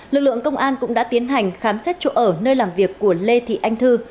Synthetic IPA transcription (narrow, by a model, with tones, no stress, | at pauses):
lɨ˨˩k̚lɨ˧˨əŋkə˧wŋ͡mʔaː˧nkʊ̰˧˥ŋ͡mɗa̰ː˧˥t̪i˨˦ənɦa˨˩jŋ̟xaː˨˦msɛ˦˥t̚t͡ɕo̰˧˨ʔəː˧˩nəː˧jlaː˨˩mvi˨˩əkːu˧˩əle˧t̪ʰḭ˧˨ʔa˧jŋ̟t̪ʰɨ˧